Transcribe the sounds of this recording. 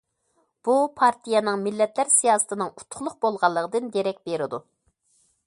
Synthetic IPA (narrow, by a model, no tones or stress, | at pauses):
b̥upʰɑɾt̪ʰijɛnɨŋmɪlːɛt̪læɾsijɑːsɨ̥t̪ʰɨnɨŋu̥t̪ʰːʊ̥χlˠʊqbolˠʁɑlˠːəʁəd̪ɨnd̪eɾɛk̚ʲbeɾɪd̪u